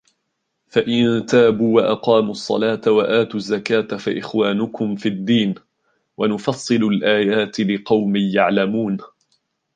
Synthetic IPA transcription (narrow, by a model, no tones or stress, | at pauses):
faʔɪnt̪aːbuːwaʔɑqɑːmʊsˤːɑ̰laːt̪awaʔaːt̪ʊzːakaːt̪afa̰ʔɪxwaːnʊkʊmfid̪ːiːn | wanʊfɑsˤːɨlʊlʔaːjaːt̪ɪlɪqɑwmɪjaʕlamuːn